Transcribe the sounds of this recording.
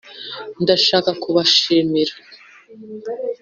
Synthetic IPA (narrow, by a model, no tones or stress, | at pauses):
ndaʃaːkakuβaʃimiɾa